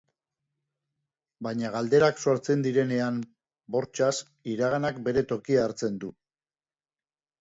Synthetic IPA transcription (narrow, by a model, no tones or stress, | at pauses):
bajɲaɣald̪e̞ɾakso̞ɾt͡se̞nd̪iɾe̞ne̞am | bo̞ɾt͡ʃas | iɾaɣanakbe̞ɾe̞t̪o̞kiaɾt͡se̞nd̪u